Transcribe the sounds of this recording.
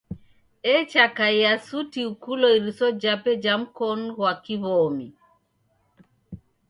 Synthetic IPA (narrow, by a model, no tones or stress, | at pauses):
ɛt͡ʃakaiasutiukulɔiɾisɔd͡ʒapɛd͡ʒam̩kɔnɣwakiβɔmi